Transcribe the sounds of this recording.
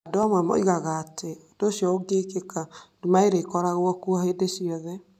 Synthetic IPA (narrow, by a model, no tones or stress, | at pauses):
adoamwɛmɔ̰iɣaɣaːtʰeod̥osiɔoɡekekadumaeɾekɔɾaɣwɔkuɔheːdesiɔðɛ